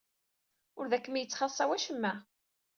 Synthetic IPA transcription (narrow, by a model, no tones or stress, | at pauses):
ʊɾðækːəmjət͡sːχɑsˤɑwæʃəmːæ